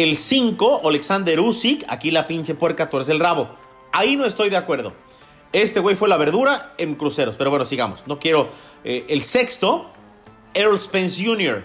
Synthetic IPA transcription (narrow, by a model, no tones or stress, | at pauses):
elsiŋko̞ʔaleksand̪eɾusika̰kilapint͡ʃe̞pwe̞ɾkat̪oɾes̬e̞lraβo̞ | aino̞e̞st̪o̞jðe̞akwe̞ɾðo̞̰ | e̞st̪ewe̞jfwe̞laβe̞ɾðuɾae̞ŋkɾuse̞ɾo̞speɾowe̞nosiɣamo̞sno̞kje̞ɾo̞ | eʔelse̞kst̪o̞ | eɾolspensjunjoɾ